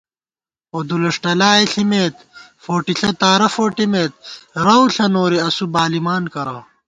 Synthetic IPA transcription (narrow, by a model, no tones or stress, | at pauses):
oːd̪ulɐʂʈɐlaːeɬimeːt̪foːʈiɬɐt̪aːɾɐfoːʈimeːt̪̚ɾɐwɬɐnoːɾiɐsubaːlimaːnkɐɾɐ̰